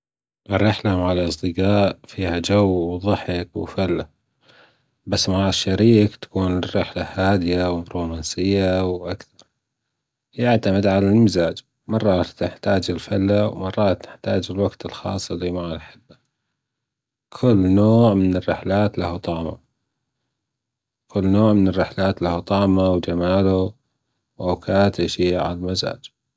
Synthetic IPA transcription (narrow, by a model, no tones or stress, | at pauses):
ʔɪrːɪħlamaʕalʔɑsˤd̪ɨqaːʔfiːhad͡ʒawwðˤɑħɪkwfalːa | basːmaʕaʃːaɾiːkt̪ḁkuːnrːɪħlahaːd̪ɪjawɪbɾoːmansɪjːawʔakθɑɾˤ | jɪʕt̪amɪd̪ʕalalmɪzaːd͡ʒ | mɑrˤːɑːt̪nɪħt̪aːd͡ʒɪlfalːawmɑrˤːɑːt̪nɪħt̪aːd͡ʒɪlwaɡt̪ɪlxɑ̰ːsˤːɪlːimaʕanħɪbːa | kʰʊlːnoːʕmɪnɪrːɪħlaːt̪lahut̪ˤɑːma̰ | kʰʊlːnoːʕmɪnɪrːɪħlaːt̪lahut̪ˤɑːmawd͡ʒamaːla | wʔawkaːt̪ʔaʃiːaʕa̰lalmaza̰ːd͡ʒ